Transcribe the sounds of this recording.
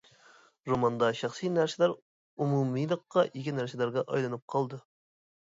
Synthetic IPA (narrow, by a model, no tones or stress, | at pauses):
ɾomɑnd̪ɑʃɑχsɨjnæɾsɪlæɾ | umumɨjlˠəqːɑʔikʲinæɾsɪlˠæɾɡɑʔɑjlˠɨnɨp̚qʰɑlˠd̪ɨ